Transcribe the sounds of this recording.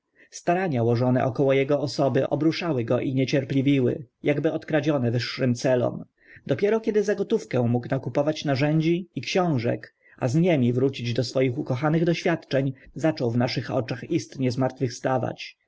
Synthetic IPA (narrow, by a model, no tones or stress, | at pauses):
st̪aɾaɲawɔʐɔnɛ̰ʔɔkɔwɔjɛɡɔɔsɔbɘʔɔ̰bɾuʂawɘɡɔʔiɲɛt͡ɕɛɾplʲivʲiwɘ̰jaɡbɘɔt̪kɾad͡ʑɔnɛvɘʂːɘmt̪sɛlɔ̰m | d̪ɔpʲɛɾɔkʲɛd̪ɘzaɡɔt̪ufkɛw̃muknakupɔvat͡ɕnaʐɛɲd͡ʑiːkɕɔ̃w̃ʐɛ̰k | ʔa̰zɲɛmʲivɾut͡ɕid͡ʑd̪ɔsfɔjixukɔxanɘɣd̪ɔɕfʲjat̪t͡ʂɛɲzat͡ʂɔwvnaʂɘxɔ̰t͡ʂaxist̪ɲɛzmaɾt̪fɘfst̪ava̰t͡ɕ